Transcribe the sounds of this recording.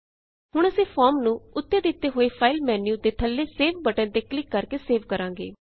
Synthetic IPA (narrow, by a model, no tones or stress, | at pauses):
ɦʊɽ̃əsẽːpʰɔːɾmnũːʊt̪ːeːd̪ɪt̪ːeːɦoːeːpʰaːɪlmɛːnjuːd̪eːt̪ʰəlːeːseːʋbəʈɛ̃ːd̪eːklɪkːəɾkeːseːʋkəɾãːŋ̆ɡḛː